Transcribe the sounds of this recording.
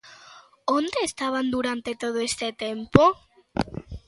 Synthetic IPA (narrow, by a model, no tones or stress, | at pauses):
ond̪eːst̪aβ̞and̪uɾant̪et̪oð̞oest̪et̪empo